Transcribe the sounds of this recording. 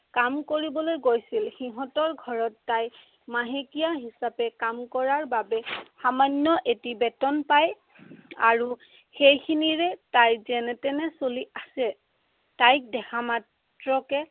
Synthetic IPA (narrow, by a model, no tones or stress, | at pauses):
kamkoɹibɔlojɡojsilxiɦɔ̃tɔɹɡʱɔɹɔtːaj | maɦekijaɦisapɛkamkɔɹaɹbabɛxamanːɔʔetibɛtɔnpaj | a̰ɹu | xejkʰiniɹɛtajzɛnɛtɛnɛsoliʔasɛ | tajk̚dɛxʰamat | ɹɔkɛ